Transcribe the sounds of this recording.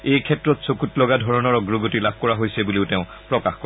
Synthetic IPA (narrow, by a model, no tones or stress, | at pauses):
ejkʰɛtɹɔtsokutlɔɡadʱɔɹɔnɔɹɔɡɹɔɡotilab̚ʱkɔɹaɦojsɛbuliʊtɛʊ̃ | pɹɔkaxkɔ